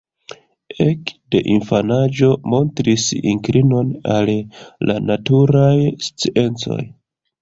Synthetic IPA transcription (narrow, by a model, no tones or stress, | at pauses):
e̞kde̞̰ʔinfanad͡ʒo̞mo̞ntɾisḭŋkɾino̞nalla̰natuɾajst͡siʔe̞nt͡so̞̰j